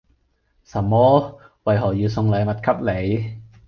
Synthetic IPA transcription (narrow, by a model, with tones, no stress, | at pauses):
sɐ˨˩mːɔː˥ | wɐ˨jɦɔː˨˩jiː˨˧wsʊ˧ŋlɐ˨˧jmɐ˨t̚kʰɐ˥p̚le˨˧j